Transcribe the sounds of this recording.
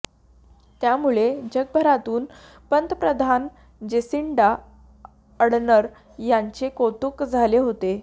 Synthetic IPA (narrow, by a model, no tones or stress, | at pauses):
t̪jamuɭed͡ʑəɡ̚bʱəɾat̪uːn | pənt̪əpɾəd̪ʱan | d͡ʑesiɳɖa | əɽɳəɾ | jaɲt͡ɕekot̪ukd͡zʱaleɦot̪e